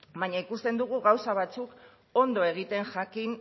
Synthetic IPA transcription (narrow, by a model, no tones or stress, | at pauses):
baɲaikust̪e̞nd̪uɣ̞uɣawsaβ̞at͡suk | o̞nd̪o̞e̞ɣ̞it̪e̞nʝakin